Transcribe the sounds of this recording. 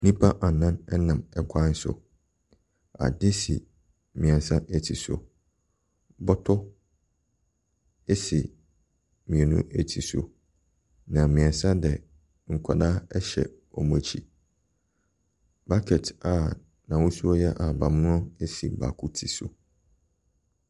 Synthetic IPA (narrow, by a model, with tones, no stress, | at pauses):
nĩ˦pʰa˦ʔa˨nã˦nɛ˦nã˨mɛ˨kʷʰa˦n̩˦sʊ̰˨ | a̰˨dɪ˦sḭ˨ | mĩ˨ɛ̃˨n˨sã˦ʔe˦tʰi˨so̰˨ | bɔ˦tʰʊ˦ | e˦sɪ˨ | mĩ˨ɛ˨nṵ̃˦e˦tʰi˨so̰˨ | nã˨mĩ˨ɛ̃˨n˨sã˦dɛ˨ | ŋ̩˨kʷʰa˨daː˦ɛ˦ɕɛ̰˨ | ɔ˨mũ˨t͡ɕʰi˨ | ba˦kʰɛ˨tʰa˨ | nã˨wʊ˦su˦ɔ˦jɛ˦ʔa˨ba˨mʊ̃˦ʊ̃˦e˦si˨ba̰˨kʰu˦tʰi˨so̰˨